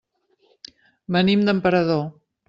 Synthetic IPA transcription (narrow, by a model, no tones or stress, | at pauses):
mənimd̪əmpəɾəðo